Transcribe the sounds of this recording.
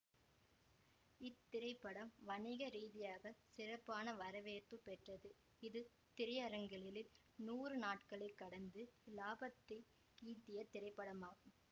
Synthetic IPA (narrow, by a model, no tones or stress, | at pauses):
ɪt̪ːɪɾɐɪpːɐɽɐmʋɐɳɪɣɐɾiːðɪjaːɣɐsɪrɐpːaːnɐʋɐɾɐʋeːɾpɯpːɛʈrɐðɯ | ɪðɯ | t̪ɪɾɐjɐɾɐŋɡɐɭɪlɪl | nuːrɯnaːʈkɐɭɪkːɐɽɐnd̪ɯlaːbɐt̪ɾɪ | iːnd̪ɪjɐt̪ːɪɾɐɪpːɐɽɐmaːɣɯm